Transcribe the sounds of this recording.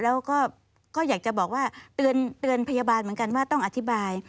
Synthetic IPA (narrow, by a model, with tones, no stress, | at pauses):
lɛː˦˥wkɔː˥˩ | kɔː˥˩jaː˨˩k̚t͡ɕa˨˩bɔː˨˩k̚waː˥˩t̪ɯ˧ənt̪ɯ˧ənpʰa˧ja˧baː˧nmɯ˩˦ənka˧nwaː˥˩t̪ɔ˥˩ŋʔa˧t̪ʰi˦˥baː˧j